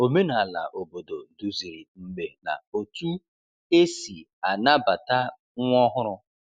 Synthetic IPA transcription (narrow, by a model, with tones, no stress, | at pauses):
o˨me˦na˨a˨la̰˨ʔo˨bo˨do˨du˦zi˨ɾi˨ŋ͡m̩˦ɡ͡be˨na̰˨o˨tu˦ | e˦si˨ | a˨na˦ba˨ta˦ | ŋʷ˦ɔ˦ɦʊ˦ɾʊ˦